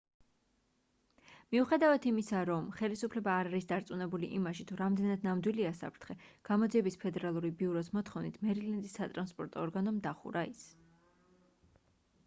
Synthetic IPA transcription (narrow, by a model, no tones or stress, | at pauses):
miuχɛd̪avat̪ʰimisaɾɔmχɛlisupʰlɛbaːɾaɾisd̪aɾt̪sʼunɛbuliʔimaʃit̪ʰuɾamd̪ɛnad̪namd̪wiliasa̰pʰɾt̪ʰχɛɡ̥amɔd̪ziɛbispʰɛd̪ɛɾalˠuɾibiuɾɔs̬mɔt̪ʰχɔvnḭt̪ʰmɛɾilɛnd̪isːat̪ʼɾanspʼɔɾt̪ʼɔːɾɡanɔmd̪aχṵɾais